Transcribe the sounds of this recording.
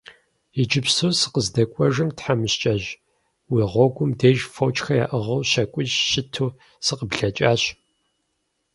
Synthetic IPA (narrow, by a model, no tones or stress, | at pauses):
id͡ʒɪpsuːsɨ̥qəzdɐkʷʼɔʒɨmtħamɨɕt͡ʃʼɐʑ | wiːʁʷɔɡʷʊmdeːʒfoːt͡ʃʼxɐja̰ːʔəʁɐwɕɐkʷʼʊʒʃɪtʰuː | sɨqəbɮɐt͡ʃʼaːɕ